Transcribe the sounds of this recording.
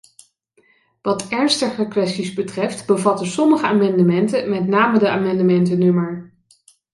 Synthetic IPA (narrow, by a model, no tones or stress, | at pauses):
ʋɑtɛɹnstəχəkʋɛstizbətrɛftbəvɑtəsɔməχəaːmɑndəmɛntəmɛtnaːmədəaːmɑndəmɛntənɵməɹ